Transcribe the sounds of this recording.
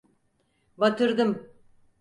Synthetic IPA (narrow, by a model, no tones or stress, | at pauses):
bat̪ʰɯɾd̪ɯm